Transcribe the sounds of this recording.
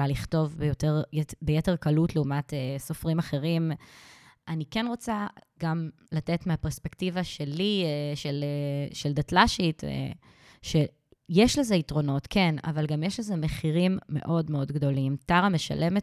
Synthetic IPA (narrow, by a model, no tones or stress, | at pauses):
laliχto̞vbjoteʁbejeteʁkalutleumateso̞fʁimaχe̞ʁim | ʔanikenʁo̞t͡saɡam | latetmeapeʁspektivaʃeliʃeleʃeldatlaʃit | ʃe | jeʃleze̞itʁo̞no̞tkʰena̰valɡamjeʃlezemeχiʁimːe̞̰ʔo̞dmeo̞dɡdo̞limtaʁame̞ʃa̰lʔe̞met